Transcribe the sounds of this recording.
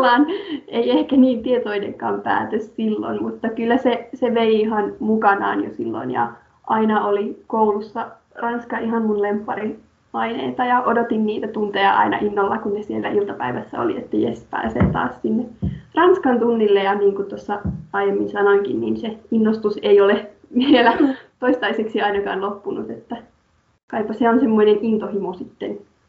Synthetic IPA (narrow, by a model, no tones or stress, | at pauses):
ɑːneiehkæniːnt̪iet̪oinḛŋkɑ̰ːmpæ̰ːt̪øssilːo̰nmut̪ːɑkylːæseseʋeiiɦɑnmukɑnɑ̰ːnjo̰silːo̰njɑ̰ | ʔɑinɑolikoulusːɑ | rɑnskɑiɦɑmmunlempːɑɾi | ɑinḛit̪ɑjɑʔodot̪inniːt̪æt̪unt̪ejɑʔɑ̰inɑ̰ʔinːolːɑkunnesielːæʔilt̪ɑpæiʋæsːæ̰o̰lḭḛt̪ːæjesp̪ɑ̰ːsḛːt̪ɑ̰ːssinːerɑnskɑnt̪unːilːejɑniːŋkut̪osːɑɑjemːinsɑnoŋkḭnnḭːnseinːost̪useijole | ʋielæt̪oist̪ɑiseksiɑinɑkɑːnlopːunut̪et̪ːæ | kɑipːɑseonsemːoinenint̪ohimusit̪ːen